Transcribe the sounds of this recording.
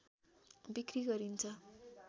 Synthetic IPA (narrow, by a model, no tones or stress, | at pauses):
bikriɡʌɾint͡sʰʌ